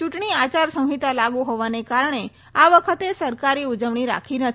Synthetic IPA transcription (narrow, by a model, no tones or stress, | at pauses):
t͡ʃuʈɳiat͡ʃaɾsə̃w̃ɦit̪alaɡuɦoʋanekaɾɳ̃e | aʋəkʰət̪esəɾkaɾiud͡ʒəʋɳiɾa̰kʰinət̪ʰ